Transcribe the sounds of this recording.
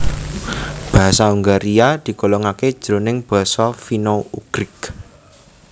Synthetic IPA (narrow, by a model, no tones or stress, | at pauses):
b̥a̤ɦasauŋɡaɾiad̪̥i̤kolɔŋaked̥ʒ̥ɾo̤nɪŋb̥ɔ̤sɔfinouɡ̥ɾɪk